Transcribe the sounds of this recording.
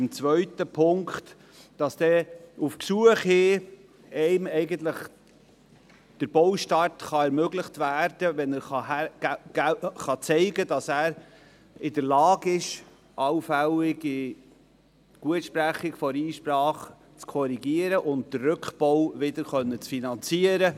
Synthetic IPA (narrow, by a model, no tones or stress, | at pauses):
ɪmt͡sʋœɥtəpʰʊŋkt | d̥ɑsd̥̪ɛufksuəχheː | ɛɪmɛɪɡənt̪ləχ | d̥əɾbɔwʃtɑtχɑɛɾmøɡləχtvæːɾd̥əvɛnəɾχɑæ̥ | χɑt͡sɛɪɡədɑsæːɾ | ɪdəɾlɑːɡɪʃ | ʔɑwfæwɪɡi | ɡ̥uətʃpɾæχɪkfɔɾiːʃpɾɑːχ | t͡skʰɔɾiɡiəɾəʔʊntd̥ərrɵkχb̥ɔwvɪdəɾχœnːət͡sfinɑnt͡siəɾə